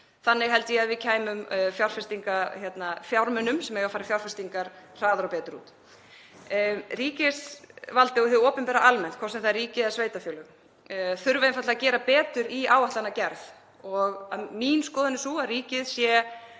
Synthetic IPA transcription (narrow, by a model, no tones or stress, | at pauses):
θanːɪɣɦɛl̪t̪ɪjaðvɪðcʰaːjmʏmfjawr̥fɛst̪iŋkaçjɛt̪nafjawɾmʏnʏmsɛmɛɣawfaːɾɪfjawɾ̥fɛst̪iŋkaɾ̥r̥aːðaɾapɛːt̪ʏɾṵːt̪ | riːcɪsvalt̪ɪɔhɛvʏoːpɪmpɛːɾaʔalmɛnt̪kʰvɔɾsɛmθaðriːcɪɛsveːjt̪afjɔːlʏɣ | θʏɾvaðɪnfat̪lacɛːɾapɛːt̪ʏɾiaːwaht̪anacɛɾθ | ɔɣaminskɔːðɪnɪsuariːcɪðsjɛ